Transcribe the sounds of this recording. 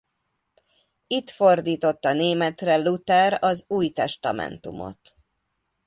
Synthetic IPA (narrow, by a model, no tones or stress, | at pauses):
it̪fo̞rd̪iːt̪o̞t̪ːɒneːmɛt̪rɛlut̪ɛɾɒzuːjt̪ɛʃt̪ɒ̰mɛ̰nt̪umo̞̰t̪